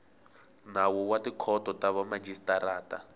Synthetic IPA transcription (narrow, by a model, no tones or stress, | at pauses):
nawɔwatikʰɔtɔtaβɔmad͡ʒistaɾaːta